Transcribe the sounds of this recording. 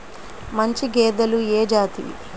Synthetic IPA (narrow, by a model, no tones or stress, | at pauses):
mɐɲt͡ʃiɡeːd̪ɐlueːd͡ʒaːt̪ḭ